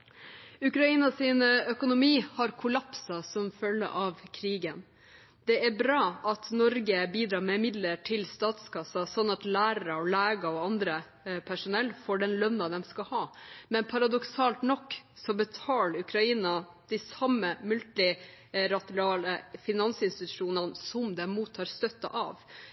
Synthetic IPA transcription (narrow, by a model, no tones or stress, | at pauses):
ʉkɾɑiːnɑsɪnœkʊnʊmiːhɑɾkʰʊlɑpsɑsɔmfœlːə̰ʔɑʋkʰɾiːɡən | d̪̥ɛæɾbɾɑːʔɑt̪nɔɾɡəbiːd̪ɾɑːɾmɛmɪd̪ləʈʰɪlst̪ɑːt̪skɑsɑsɔnːɑt̪læːɾɾəɔlæːɡəɔɑnd̪ɾə | pʰæʂʊnɛlːfɔɖɛnlœnːɑd̪ɛmskɑhɑːmɛnpʰɑɾɑd̪ɔksɑːlt̪nɔkːsɔbət̪ʰɑːlʉkɾɑiːnɑ | d̪̥ɪsɑmːəmʉlt̪ɪ | ɾɑt̪ɪɾɑːləfɪnɑnsɪnst̪ɪt̪ʉ̥ʂuːnənsɔmd̪ɛmuːt̪ʰːɑːɾst̪œt̪ːɑ̰ʔɑ̰ːʋ